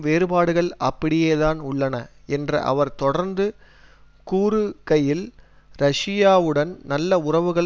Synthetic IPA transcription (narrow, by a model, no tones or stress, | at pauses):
ʋeːɾɯbaːɽɯɣɐɭɐpːɐɽɪjeːðaːnʊɭːɐnɐɛndrɐ̰ʔɐ̰ʋɐɾt̪ɔɽɐɾnd̪ɯ | kuːɾɯkɐjɪl | ɾɐʂɪjaːʋɯɽɐnnɐlːɐʊrɐʋɯɣɐɭ